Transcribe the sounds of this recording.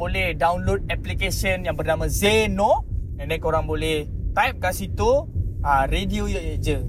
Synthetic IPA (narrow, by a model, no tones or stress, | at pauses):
bolɛhdawnlod̚ɛplikesiənjaŋbərnamãzenonanãkoɾaŋbolɛht̪ajp̚kasit̪uərediojoʔed͡ʒə